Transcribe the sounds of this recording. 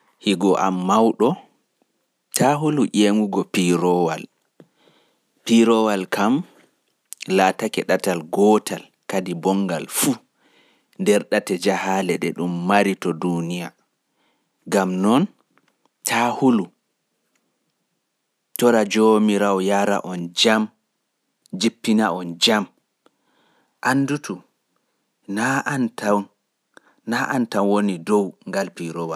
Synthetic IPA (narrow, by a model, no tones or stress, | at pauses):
hiɡɔʔa̰mːawɗɔ | tʰaɦuluʔeŋuɡɔpiɾɔwa̰l | piɾɔwalkʰam | laːtakɛɗatalɡɔtal | kadibɔŋɡalfu | ndɛɾɗatɛd͡ʒahalɛɗɛɗumːaɾitɔdunija | ɡamnɔn | tʰahulu | tɔɾad͡ʒomiɾawjaɾa̰ʔɔnd͡ʒam | d͡ʒipːinaɔnd͡ʒam | ʔanːdutu | nanta | naʔantanwonidɔwŋɡalpiɾɔwa